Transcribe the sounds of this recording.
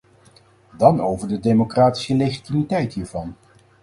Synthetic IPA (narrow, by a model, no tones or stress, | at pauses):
dɑnowvəɹdədejmokraːti̥səlejχitimitɛjtɦiːɹvɑn